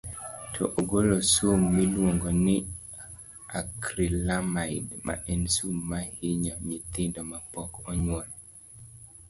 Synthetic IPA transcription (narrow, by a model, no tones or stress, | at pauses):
tʰɔ̰ʔoɡolosumːilwoŋɡɔnɪ | akɾilamaɪdmʔa̰ʔɛnsumːahiɲɔɲit̪ɪndɔmapɔkɔɲwɔl